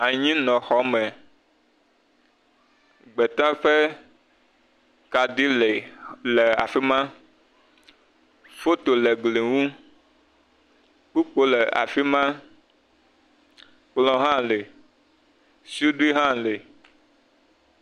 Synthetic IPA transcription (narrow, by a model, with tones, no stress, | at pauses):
a˨ɲĩ˦nɔ̃˨xɔ˨˦mɛ̃˨ | ɡ͡be˨t̪ã˦ɸe˦ | ka˨ɖi˦le˨le˨a˨fi˦mã˦ | fo˦t̪o˨le˨ɡle˨ŋũ˦ | k͡pu˦k͡po˦le˨a̰˨fi˦mã˦ | k͡plɔ̃˨ɦã˦le˨ | su˦ɖi˦ɦã˦le˨